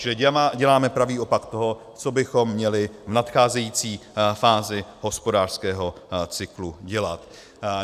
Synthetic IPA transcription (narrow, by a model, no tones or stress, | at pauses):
t͡ʃɪlɪɟɛlaːmɛpɾaviːʔo̞pakt̪o̞ɦo̞ | t͡sobɪxo̞mːɲɛlɪvnat̪xaːzɛjiːt͡siːfaːzɪɦo̞spo̞daːr̥skɛːɦo̞t͡sɪkluɟɛlat̪